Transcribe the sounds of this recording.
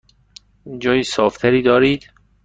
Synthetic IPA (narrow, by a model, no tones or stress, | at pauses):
d͡ʒɒːjiːsɒːft̪ʰæɾiːd̪ɒːɾiːd̪̥